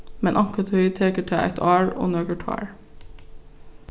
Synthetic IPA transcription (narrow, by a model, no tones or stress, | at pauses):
mɛnʔɑkət̪hœʏt̪ʰeːkəʈʰɛæ̰ɪt̪ʰɑːɹo̰ːnøːkəʈʰɑ̰ːɹ